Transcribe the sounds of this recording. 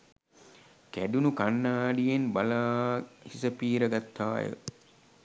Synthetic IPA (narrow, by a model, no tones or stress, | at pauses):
kæɖunukanːaːɖijenbɐlaːhisɐpiːɾɐɡɐt̪ʰːa̰ːjɐ̰